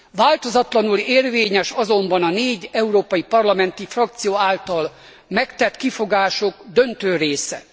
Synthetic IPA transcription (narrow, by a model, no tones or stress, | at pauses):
vaːlt̪o̞zɒt̪lɒnuleːrveːɲɛʃɒzo̞mbɒnɒneːɟɛuɾoːpɒjipɒrlɒmɛnt̪ifrɒkt̪sijoːaːlt̪ɒl | mɛkt̪ɛt̪kifoɡaːʃo̞ɡd̪ønt̪øːreːsɛ